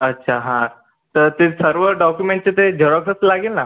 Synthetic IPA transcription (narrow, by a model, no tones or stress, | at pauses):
ətːɕʰaɦãɾ | t̪əɾt̪esəɾʋəɖɔkjumeɳʈ̚t͡set̪ed͡ʑʱəɽaksəslaɡelna